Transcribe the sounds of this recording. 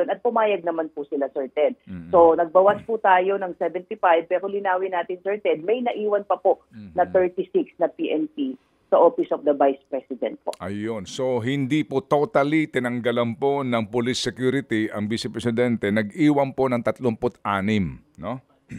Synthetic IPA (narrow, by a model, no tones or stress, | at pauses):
onɐt̪̚pʊmaːjɐɡ̚nɐmanpʊsɪlasɛɹt̪ɛd̪̚so̞nɐɡ̚bɐwaspʊt̪aːjo̞nɐŋsɛvɛnt̪ifajb̚pɛːɾolɪnaːwɪnaːt̪ɪnsɛɹt̪ɛd̪̚mɐjnɐʔiːwɐnpɐpoʔnɐt̪ɛɹt̪isiksnɐpiːʔɛnpi | sɐʔoːfɪsofd̪ɐvajspɹɛsɪd̪ɛ̰nt̪̚po̰ʔɐjonso̞ɦɪnd̪ipot̪ot̪ɐlit̪ɪnɐŋɡɐlɐnpo̞nɐŋpolisːɛkjuːɾɪt̪iʔɐŋbisɛpɾɛsɪd̪ɛnt̪ɛnɐɡʔiːwɐnponɐŋt̪ɐt̪loŋpʊt̪ʔaːnɪmno